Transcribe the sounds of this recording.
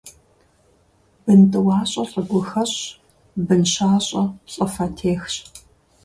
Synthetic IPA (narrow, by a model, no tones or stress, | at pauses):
bɨntʼɨwaːɕʼɐɬʼɐɡʷʊxɐɕ | bɨnɕaːɕʼɐɕʼɐfɐtʰeːxɕ